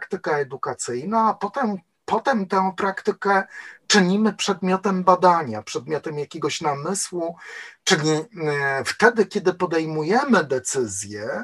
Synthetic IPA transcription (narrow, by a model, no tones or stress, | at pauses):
kt̪ɘkaɛd̪ukat̪sɘjnaːpɔt̪ɛm | pɔt̪ɛmt̪ɛw̃pɾakt̪ɘkɛt͡ʂɘɲimɘpʂɛd̪mʲjɔt̪ɛmbad̪aɲapʂɛd̪mʲjɔt̪ɛmjakʲeɡɔɕnamɘswut͡ʂɘlʲift̪ɛd̪ɘkʲɛd̪ɘpɔd̪ɛjmujɛmɘd̪ɛt̪sɘzʲjɛ